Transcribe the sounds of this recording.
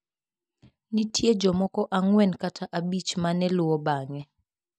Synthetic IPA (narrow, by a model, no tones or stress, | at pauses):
nitʰjed͡ʒɔmɔkɔʔaŋwɛnkatʰaʔabit͡ʃmanɛlʊwɔbaŋɛ